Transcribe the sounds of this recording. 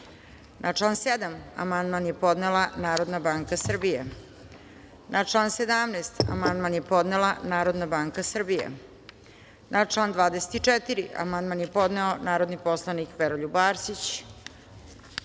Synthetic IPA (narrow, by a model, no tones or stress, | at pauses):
nʔat͡ʂlˠaːnsed̪ama̰mand̪manje̞po̞d̪nelˠanaːɾo̞d̪nabaːŋkasr̩bijḛ | nʔaʈ͡ʂlˠaːnsed̪amnest̪a̰mand̪manjepo̞d̪nelˠanaːɾo̞d̪nabaːŋkasr̩bijḛ | nʔat͡ʂlaːnd̪ʋaːd̪ese̥t̪it͡ʂɛt̪iɾiʔa̰mand̪manjepo̞d̪neo̞naːɾo̞d̪nipo̞slˠanikʋeɾoʎubaːɾsit͡ɕ